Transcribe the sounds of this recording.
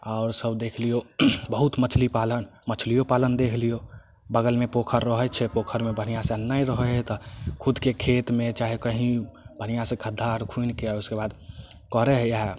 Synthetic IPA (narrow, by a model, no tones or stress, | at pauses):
ɔːɾsəbd̪ekʰlijobəɦut̪mət͡ʃʰlipalənmət͡ʃʰlijopalənd̪ekʰlijo | bəɡəlmepokʰəɾːəɦət͡ʃʰɛpokʰəɾmebʱənijasenːaiɾəɦəɛt̪ɔkʰud̪kekʰet̪mẽt͡ʃaɦikəɦĩbʱənijasẽkʰəd̪ʱːaɾkʰunkeauskebad̪ | kɔɾɛɦjɦɛ